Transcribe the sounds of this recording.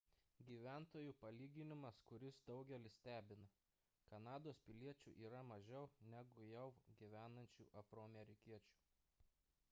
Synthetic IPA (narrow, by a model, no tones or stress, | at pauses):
ɡʲiːʋʲæˑnt̪oːjuːpɐlʲiːɡʲɪnʲɪmɐskʊɾʲɪsd̪ɒʊɡʲɛlʲɪsʲt̪ʲæːbʲɪnɐ | kɐnɑːd̪oːspʲɪlʲiɛt͡ʃʲṵːˑʔiːɾɐmɐʒʲɛʊnʲæɡʊjɛʊɡʲiʋʲæːnɐnʲt͡ʃʲṵːʔɐfɾoːɐmʲɛɾʲɪkʲiɛt͡ʃʲu̥ː